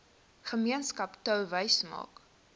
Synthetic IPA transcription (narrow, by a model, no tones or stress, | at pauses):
χəmiənskɐptœwvəjsmɑ̰ːk